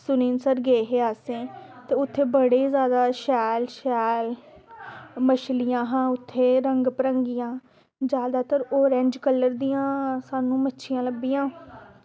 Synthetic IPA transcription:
sʊniːnsəɾɡeːɦeːaːsẽːt̪eːʊt̪ʰːeːbəɽeːzjaːd̪aːʃɛːlʃɛːl | məʃlɪjãːɦãːʊt̪ʰːeːɾəŋɡpɾəŋɡɪjãː | d͡ʒjaːd̪aːt̪əɾoːɾẽɲd͡ʒkəlːəɾd̪ijãːsaːnũːmətːʃʰɪjãːləbːijãː

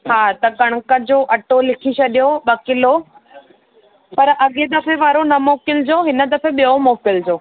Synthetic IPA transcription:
ɦaːt̪ɐkɐɽ̃kəd͡ʑoːʔɐʈolɪkʰit͡ɕɐɗijoɓɐkɪlo | pɐɾʔɐɠed̪ɐfeʋaːɾonɐmoːkɪld͡ʑoːɦɪnə̆d̪ɐfeɓijomoːkɪld͡ʑoː

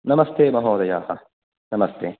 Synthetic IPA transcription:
nɐmɐst̪eːbɐɦõːd̪ɐjaːhɐ | nɐmɐst̪eː

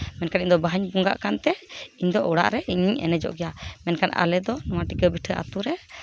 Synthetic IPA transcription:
mɛnkaniɲd̪ɔbaɦaɲbuŋɡa̰ʔkant̪ɛiɲd̪ɔʔɔɽa̰ʔɾɛʔiɲiɲɛ̰nɛd͡ʒɔ̰ʔɡɛjamɛnkana̰lɛd̪ɔnɔwaʈikəbiʈʰəʔa̰t̪uɾɛ

